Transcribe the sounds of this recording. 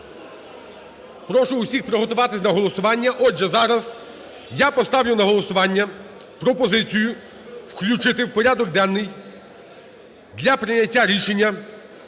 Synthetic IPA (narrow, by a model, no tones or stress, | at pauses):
pɾɔʃʊʊsʲixpɾɔɦɔt̪ʊʋɑt̪ɪsʲnɐɦɔlˠɔsʊʋɑnʲːɐʔɔdʒɛzɑɾɐz | japɔst̪ɑʋjʲʊnɐɦɔlˠɔsʊʋɑnʲːɐ | pɾɔpɔzɪt͡sʲijʊ | wklʲut͡ʃɪt̪ɪwpɔɾʲad̪ɔɡ̚d̪ɛnːɪj | d̪lʲɐpɾɪnɐtʲːaɾʲiʃenʲːɐ